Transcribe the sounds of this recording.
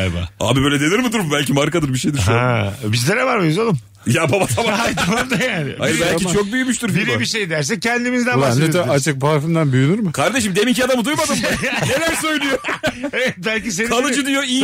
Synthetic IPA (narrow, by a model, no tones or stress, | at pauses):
aba̰a̰ːbibøːlʲed̪e̞niɾmid̪uɾumbælʲcʰimaɾkad̪ɯɾbiʃejd̪iɾʃhɛbizlʲeɾɛvaɾmezolˠum | jababat̪ʰamaajt̪ʰamamd̪ajaːnɪ̰ajɾbælʲʰit͡ʃʰo̞k̚byjymyʃt̪yɾfbiɾibiʃe̞jd̪æɾs̬ɛcʰːɛnd̪imizd̪ænanet̪aat͡ʃ̪ɯk̚baafimd̪ænbyjynyɾmɯkʰaɾd̪e̞ʃimd̪emicʰiad̪amud̪ujmad̪ɯmanelʲæɾsøjlʲˠyjoeɛt̪̚bælʲcis̬e̞nanˠɯd͡ʒɯd̪yjoiː